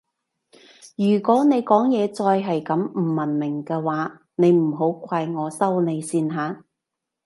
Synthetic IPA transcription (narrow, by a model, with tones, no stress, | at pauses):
jyː˨˩kʷɔː˨˥ne˨˧jkɔː˨˥ŋjɛː˨˧t͡sɔː˧jɦɐ˨jkɐ˨˥mm̩˨˩mɐ˨˩nmɪ˨˩ŋkɛː˧waː˨˥ | ne˨˧jm̩˨˩ɦo˨˥wkʷaː˧jŋɔː˨˧sɐ˥wne˨˧jsiː˧nɦaː˨˥